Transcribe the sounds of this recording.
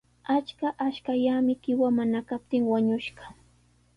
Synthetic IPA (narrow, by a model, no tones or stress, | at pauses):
at͡ʃkaʔaʃkaʎamɪkɪwamanakap̚t̪ɪŋwaɲʊʃɢɑ̥